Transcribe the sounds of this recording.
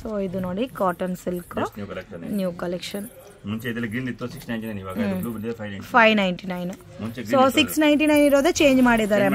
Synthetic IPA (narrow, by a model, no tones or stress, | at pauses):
soːid̪unoːɽikaːʈɐnsilknukɐleknnjuːkɐlekʃɐn | muɲt͡ʃeid̪ɐlɐɡɾind̪it̪ːusiksnɐjɳʈinɐjniʋaːɡauːbiɖipʰɐjpʰɐjnɐjɳʈinɐjn | mut͡ʃesɾoːsiksnɐjɳʈinɐjniɾoːd̪et͡ʃe̞ːɲd͡ʒmaːɽid̪aːɾe